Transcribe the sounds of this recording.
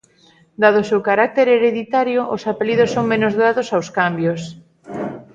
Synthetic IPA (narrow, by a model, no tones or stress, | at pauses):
d̪aðʊsewkaɾak̚t̪eɾeɾeðit̪aɾjoʔosapeliðosːoŋmẽnozðaðosawskambjos